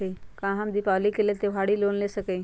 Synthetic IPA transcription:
eikãɦãmd̪ipalikelet̪eʋ̤aɽiːloːnlesəkəi

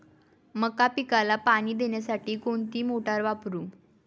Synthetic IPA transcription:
məkapikalapaɽ̃iːd̪eɳjasaʈiːkoɳt̪iːmoʈaɾʋapɾuː

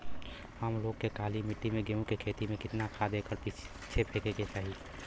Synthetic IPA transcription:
həmloːɡ̚kekaːlimɪʈːimẽɡeũkekʰeːt̪imẽkɪt̪nakʰad̪eːkəɾpɪ | t͡ʃʰepʰeːkeket͡ʃaːɦie

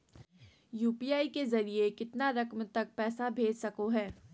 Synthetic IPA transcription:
juːpijaːikezɐɾiekɪt̪naɾɐkmt̪ɐk̚pɛːsabʱeːd͡ʒsɐkoɦɛː

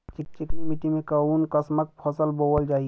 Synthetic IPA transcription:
t͡ʃik̚t͡ʃikimiʈimẽkəunkəsmək̚pʰɔsəlbowəld͡ʒaːi

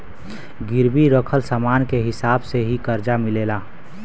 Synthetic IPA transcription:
ɡɪɾbiɾəkʰəlsamaːnkeɦɪsaːbseɦikəɾd͡ʒamɪleːlaː

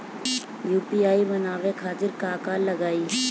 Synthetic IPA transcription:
juːpiaːibənaːʋekʰaːt̪ɪɾkaːkaːllːəɡaːi

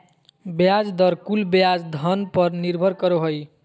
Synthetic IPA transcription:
bejad͡ʒd̪ʌɾkulbjad͡ʒd̪ʱʌnpʌɾniɾbʱʌɾkʌɾoɦoj

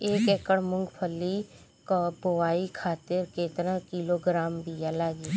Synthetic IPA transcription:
eːkekəɽmʊ̃ŋɡpʰəlːi | kbowaːikʰaːt̪ɪɾkeːt̪əɾə̃kiloːɡɾaːmbijalaːɡiː

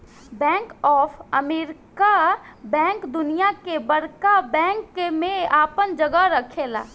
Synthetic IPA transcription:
bɛ̃ːŋkɔːpʰəmeːɾɪkabɛ̃ːŋkd̪ʊnijakebəɾkabɛ̃ːŋkːemẽaːpənd͡ʒəɡaɾəkʰela̰ː

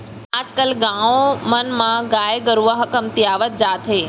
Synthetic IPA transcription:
ad͡ʒkəlɡãʋomənmãɡajɡəɾuʋəɦəkəmt̪iaʋət̪̚d͡ʒat̪ʰɦe

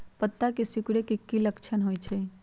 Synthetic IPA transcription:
pət̪ːakesʊkɽekɪkːiləkt͡ʃʰənɦoːit͡ʃʰeː

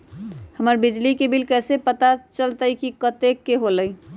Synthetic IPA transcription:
həməɾbid͡ʒlikebilkɛsepət̪at͡ʃəlt̪əikikət̪ekːeɦoləj

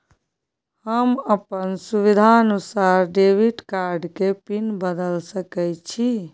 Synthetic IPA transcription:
həməpənsuβid̪ʱaənusaɾɖeʋiʈkaɾɖkepinbəd̪əlsəkɛjt͡ʃʰi

